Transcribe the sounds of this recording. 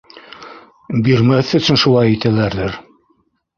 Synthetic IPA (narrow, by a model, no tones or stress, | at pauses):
biɾmæθɵ̆sɵnʃulˠɑjɘ̆t̪ælæɾðɘɾ